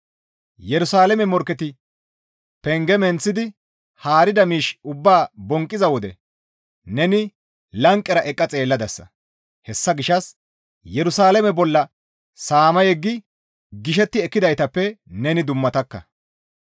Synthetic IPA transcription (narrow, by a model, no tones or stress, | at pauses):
jɛɾʊsaːlɛmɛmɔɾkːɛt̪ɪ | pɛŋɡɛmɛnt͡sːɪd̪ɪ | haːɾɪd̪ɐmiːʃʊbːaːbɔŋkʼːɪzɐwɔd̪ɛ̰ | nɛnɪ | lɐŋkʼːɛɾɐʔɛkʼːɐt͡sʼe̞ːlːɐd̪ɐsːɐ̰ | hɛsːɐɡɪʃːɐs | jɛɾʊsaːlɛmɛbɔlːɐ | saːmɐjɛɡːɪ | ɡɪʃ̬ɛt̪ːɪɛkːɪd̪ɐjt̪ɐpːɛnɛnɪd̪ʊmːɐt̪ɐkːɐ̰